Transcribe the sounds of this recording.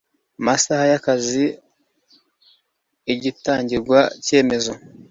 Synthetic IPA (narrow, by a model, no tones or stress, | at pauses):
masahajakazi | ɟitaːɲɟiɾɡwace̞ːme̞zo̞